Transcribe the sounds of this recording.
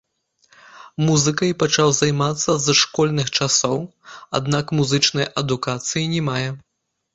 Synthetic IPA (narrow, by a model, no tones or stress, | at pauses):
muzɨkɐjpɐt͡ʂawzajmat̪sːɐzʂkɔlʲnɨxt͡ʂasɔwa̰d̪nakmuzɨt͡ʂnɐjɐd̪ukat̪sɨjinʲɛmajɛ